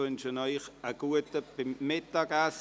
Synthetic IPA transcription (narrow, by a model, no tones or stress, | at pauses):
ʏnʃənɔʏχəɡ̥uətəb̥ɪmːɪtaɡas